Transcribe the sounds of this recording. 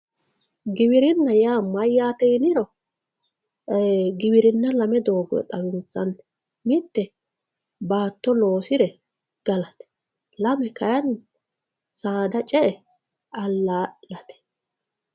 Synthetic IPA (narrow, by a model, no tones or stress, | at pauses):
ɡɪbɪɾɪnːɐjaːmɐjːaːt̪ɛjnɪɾɔ | ɡɪbɪɾɪnːɐlɐmɛd̪o̞ːɡɛ̰t̪ʼɐwɪnt͡sːɐnɛ̥ | mɪt̪ːɛ | baːt̪ːɔloːsɪɾɛ | ɡ̥ɐlɐt̪ɛ̥ | lɐmɛkɐjɐn | saːd̪ɐt͡ʃʼɛʔɛ | ɐlːaːlɐt̪ɛ̥